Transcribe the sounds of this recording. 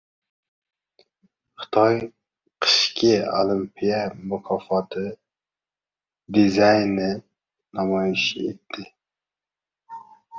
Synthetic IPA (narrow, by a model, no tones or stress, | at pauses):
χɨ̥t̪ʰɑj | qʰɨ̥ʃkʲʰio̰lˠimpʰijɛmʊkʰɑfɑt̪ʰɨ | d̪izɑjnɪ | nɑmɑjiʃḛt̪ʰːɪ